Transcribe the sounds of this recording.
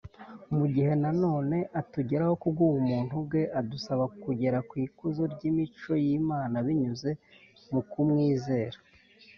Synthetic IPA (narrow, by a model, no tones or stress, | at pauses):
muɟiɦe̞nano̞ːne̞ʔatuɟe̞ɾaho̞kuɡuwumuːn̥hubɡe̞ʔadusaβakuɟe̞ɾakwiːkuzoɾɟimit͡ʃo̞jimaːnaβiɲuze̞ | mukumŋiːze̞ːɾa